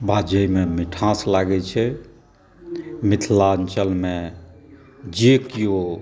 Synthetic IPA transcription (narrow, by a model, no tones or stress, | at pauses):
bʱad͡ʒəjmemiʈʰãslaɡɛt͡ʃʰɛ | mit̪ʰlaənt͡ʃəlme | d͡ʒekijo